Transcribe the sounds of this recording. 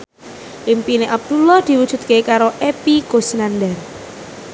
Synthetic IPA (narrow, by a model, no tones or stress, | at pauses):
ʔimpineʔab̚d̪̥ulɔhd̪̥i̤wud̥ʒ̥ṳt̪̚kekaɾoʔepikosnand̪ɛr